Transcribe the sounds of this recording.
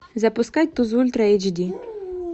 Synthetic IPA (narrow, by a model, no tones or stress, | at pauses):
zɐpʊskat̚ʲt̪uzulʲt̪ɾɐet͡ʃd̪ʲi